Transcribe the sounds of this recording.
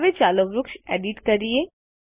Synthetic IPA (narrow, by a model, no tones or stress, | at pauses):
ʋet͡ʃaːloʋɾʊkʃḛːɖɪʈkɐɾie